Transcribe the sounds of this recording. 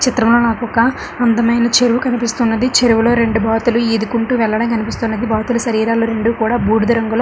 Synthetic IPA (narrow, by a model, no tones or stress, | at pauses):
t͡ʃit̪ɾɐmlo̞ːnaːkɔkaː | ɐnd̪ɐmɐjnɐt͡ʃeɾuʋukɐnipist̪unːɐd̪it͡ʃeɾuʋulo̞ːɾe̞ɳɖubʱaːt̪uluid̪ukuɳʈuʋɛɭːɐɽɐmkɐnipist̪uːnːɐd̪ibʱaːt̪ulɐʃɐɾiːɾaːloːɾe̞ɳɖukuːɽaːbuːɽud̪ɐɾɐŋɡulɐ